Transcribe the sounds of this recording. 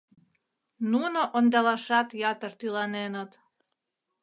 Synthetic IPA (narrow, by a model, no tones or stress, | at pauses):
nunoʔond̪ɑlɑʃɑt̪jɑt̪ərt̪ylɑnenət̪